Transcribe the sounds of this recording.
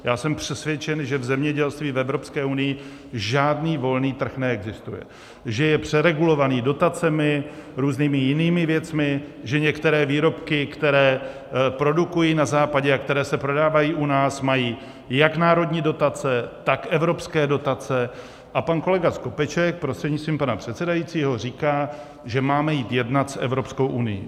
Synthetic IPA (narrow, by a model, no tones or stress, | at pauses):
jaːsɛmpr̝̥ɛsvjɛt͡ʃɛnʒɛvzɛmɲɛɟɛlst̪viːvɛvɾo̞pskɛːʔunɪjɪ | ʒaːdniːvo̞lniːt̪r̩xnɛɛɡzɪst̪ṵjɛ̰ | ʒɛjɛpr̝̥ɛɾɛɡulo̞vaniːdo̞t̪at͡sɛmɪɾuːzniːmɪjɪniːmɪvjɛt͡smɪʒɛɲɛkt̪ɛɾɛːviːɾo̞pkɪkt̪ɛɾɛː | pɾo̞dukujiːnazaːpaɟɛakt̪ɛɾɛːsɛpɾo̞daːvajiːʔunaːsmajiː | jaknaːɾo̞dɲiːdo̞t̪at͡sɛt̪akɛvɾo̞pskɛːdo̞t̪at͡sɛ | ʔapanko̞lɛɡasko̞pɛt͡ʃɛk̚pɾost̪r̥ɛdɲɪt͡st̪viːmpanapr̝̥ɛt̪sɛdajit͡siːɦo̞riːkaː | ʒɛmaːmɛjiːt̪jɛdnat̪sʔɛ̰vɾo̞psko̞wʔunɪ̰jḭ